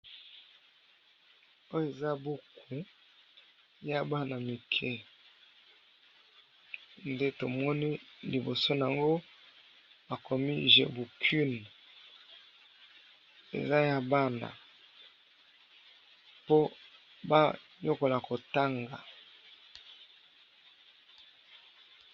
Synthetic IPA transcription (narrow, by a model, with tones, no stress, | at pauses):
o˦jo˦˨e˨za˦bu˦kʰu˨ | ja˦ba˦na˨mi˨kʰɛ˦ | nde˦to˨mɔ˦ni˦li˨bo˨so˦n˨a˨ŋɡo˦ | ba˨kɔ˨mi˦ʒḛ˨bu˨kʰy˦n | ḛ˨za˦ja˨ba˦na̰˨ | po˦ | ba˦ɲo˦ko˨la˨ko˨ta˦ŋɡa̰˨